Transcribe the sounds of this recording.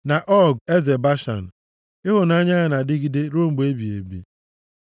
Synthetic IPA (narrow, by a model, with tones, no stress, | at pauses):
na˨ʔɔ˦˨ɡe˦ze˨ba˦ʃa̰˨n̩˨ | ɪ˦ɦʊ˨na˦ɲa˦ɣa˨na˨dɪ˦ɡɪ˨de˦ɾo˦ŋ͡m̩˦ɡ͡be˦bi˨ḛ˨bḭ˨